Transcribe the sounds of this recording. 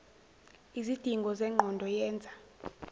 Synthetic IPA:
izid̥ʱiŋɡʱɔzɛŋ͡ǃʱɔndʱɔjɛːnd͡zʱa

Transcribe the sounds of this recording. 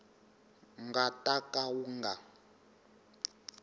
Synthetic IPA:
ŋɡatʼakʼawuŋɡa

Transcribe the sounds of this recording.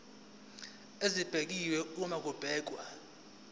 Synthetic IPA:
ezib̥ʱek̬iwɛumak̬ub̥ʱɛːk̬wa

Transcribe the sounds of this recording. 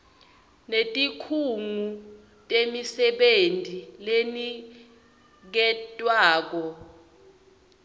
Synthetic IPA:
netʼikʰuŋu | tʼemisɛɓentʼileni | k̬ɛtʼwaːk̬ɔ

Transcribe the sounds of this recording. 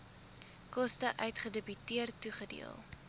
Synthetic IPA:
kɔstəʔœɥtχədəbytiərtːuχədḭəlˠ

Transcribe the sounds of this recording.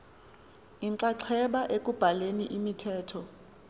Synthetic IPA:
iŋǀaǁʰɛɓaʔek̬ʼub̥ʱaleniʔimitʰɛːtʰɔ

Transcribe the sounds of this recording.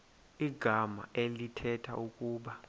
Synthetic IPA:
iɡ̥ʱama̰ʔelitʰɛtʰa̰ukʼuːɓa

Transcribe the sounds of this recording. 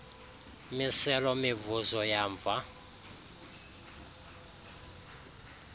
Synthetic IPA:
misɛlɔmɪvuzɔjaːɱb̪va

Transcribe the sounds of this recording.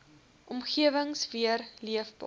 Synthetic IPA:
ʔɔmχiəvəŋsviərliəfb

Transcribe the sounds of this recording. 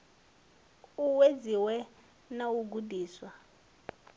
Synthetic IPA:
uweziwɛ | nawuɡudʱiːswa

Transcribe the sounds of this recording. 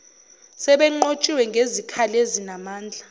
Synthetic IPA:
sɛɓɛŋ͡ǃot͡ʃʼiwɛŋɡʱezikʰalezinamaːnd͡ɮʱa

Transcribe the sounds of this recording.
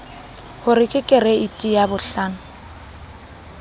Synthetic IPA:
hʊɾɪkʼɪkʼɪɾɛitʼijabʊɬaːnʊ

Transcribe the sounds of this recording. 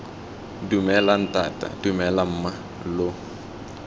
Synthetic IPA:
dumɛlan̩tʼatʼa̰d̥umɛlam̩ːma | lʊ

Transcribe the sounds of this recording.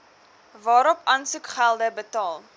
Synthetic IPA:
vɑːɾɔpɐnsukχælˠdəbətɑːlˠ

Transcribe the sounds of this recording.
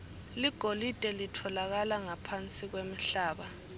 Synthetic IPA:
liɡ̥ʱolid̥ʼʱɛlitʰɔlaɣ̬alaŋapʰant͡sʼiɣ̬wem̩ɬaːɓa

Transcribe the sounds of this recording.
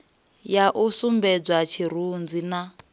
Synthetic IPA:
jaʔusumbɛd͡zwat͡ʃʰiɾ̤und͡zina

